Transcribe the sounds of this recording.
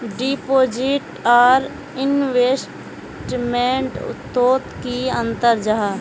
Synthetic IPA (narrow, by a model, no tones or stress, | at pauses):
ɖipoːd͡ʒɪʈ | aːɾ | ɪnʋeːs | ʈmẽʈt̪oːt̪kiə̃nt̪əɾd͡ʒaɦa